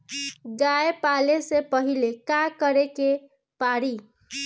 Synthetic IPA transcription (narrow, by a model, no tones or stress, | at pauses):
ɡaepalesepʌɦilekakʌɾeke | paɾi